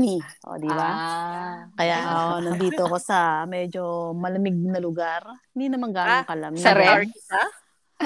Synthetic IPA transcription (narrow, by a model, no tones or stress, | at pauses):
iʔo̰d̪iba | kɐjaʔonɐd̪iːt̪okosɐmɛd͡ʒo̞mɐlɐmɪɡ̚nɐlʊɡaɾhɪnd̪inɐmɐŋɡaːoŋkɐlɐmɐɾɛɪsa